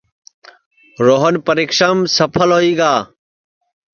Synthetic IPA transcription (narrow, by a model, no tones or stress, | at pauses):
ɾoːɦənpəɾiːkʃəmsəpʰəlɦoːiːɡaː